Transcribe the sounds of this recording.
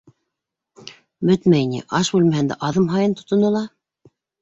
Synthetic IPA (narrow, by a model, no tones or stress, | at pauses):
bɵt̪mæjnḭʔɑʃbʉlmæɦænd̪æ̰ʔɑðɤmɦɑjɤnt̪ŏ̥t̪ŏnɤ̆lˠɑ